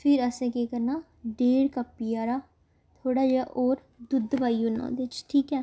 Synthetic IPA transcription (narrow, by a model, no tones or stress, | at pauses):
pʰɪɾəsẽːkeːkəɾnaː | ɖeːɽkəpːiːaːɾaː | t̪ʰoːɽaːd͡ʒeaʔoːɾ | d̪ʊd̪ʋaːiːʊnːã̰ːd̪et͡ʃʈʰiːkɛː